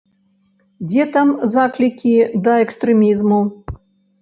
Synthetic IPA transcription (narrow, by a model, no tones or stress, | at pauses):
d͡zʲɛt̪amzaklʲikʲid̪ɐɛkst̪ɾɛmʲizmu